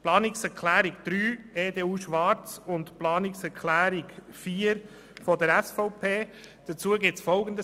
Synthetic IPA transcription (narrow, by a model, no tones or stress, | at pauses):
plɑːnɪksɛɾkʰlæːɾɪkd̥̪ɾyːeːdeːuːʃʋɑɾt͡sʊntplɑːnɪksɛɾkʰlæːɾɪk | fiːəɾ | fɔdəɾɛsfɔʊpʰeː | d̪̥ət͡suːəɡɪt͡sfɔlɡəndə